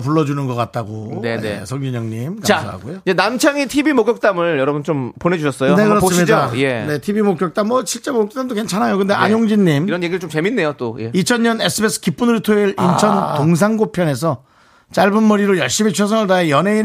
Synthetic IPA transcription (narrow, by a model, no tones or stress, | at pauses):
p̬uɭːʌd͡ʑunɯnɡʌk͈at̚t͈aɡonḛsʰʌŋɡuɲʌŋɲimkasʰa̰ɦa̰ɡojod͡ʑenamt͡ɕʰaŋitʰibimokjʌk̚t͈amɯɭjʌɾʌbunt͡ɕompone̞d͡ʑuɕʰʌs͈ʌjonekɯɾʌs͈ɯmɲiajene̞tʰibimok͈jʌk̚t͈amːwʌɕʰiɭt͡ɕ͈emok̚t͈amdoke̞nt͡ɕʰanɦajokɯnde̞ʔa̰ɲoŋd͡ʑiɲːimiɾʌnjeɡiɾɭt͡ɕomt͡ɕe̞minːe̞jot͈ojḛit͡ɕʰʌnɲɲʌne̞s͈ʰɯbes͈ʰɯ̥kip͈unɯɾitʰoeɾʔint͡ɕʰʌntoŋs̬ʰaŋɡopʰjʌne̞s̬ʰʌ | t͡ɕaɭbɯnmʌɾiɾojʌɭɕ͈imit͡ɕʰjes̬ʰʌŋɯɭdaejʌnɦe̞in